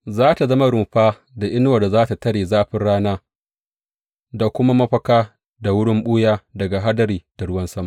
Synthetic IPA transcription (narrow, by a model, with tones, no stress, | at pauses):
zaː˦ta˨zɐ˦ma˦ɽʊ˨mɸaː˦ | da˨ʔɪ˦nwa˨da˨zaː˦ta˨tɐ˦ɽeː˨zaː˦ɸɪ˦nɽaː˦naː˦ | da˨kʷʊ˦ma˦mɐ˦ɸɐ˦kaː˦ | da˨wʊ˦ɽɪ˦mɓʊː˦jaː˦dɐ˨ɡa˨ɦa˦dɐ˨ɾiː˨d̥a˨ɽʊ˦wɐ˦nsɐ˦ma˨